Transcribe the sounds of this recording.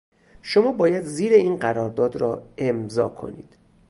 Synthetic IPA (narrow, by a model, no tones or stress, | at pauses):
ʃo̞mɒːbɒːjæd̪ziːɾeiːnɢæɾɒːɾd̪ɒːd̪ɾɒ̰ːe̞mzɒ̰ːkʰo̞̰nḭːd̪̥